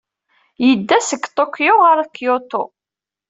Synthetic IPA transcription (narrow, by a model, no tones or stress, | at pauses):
jəd̪ːæsəɡt̪ˤokːjoʁaɾakjot̪o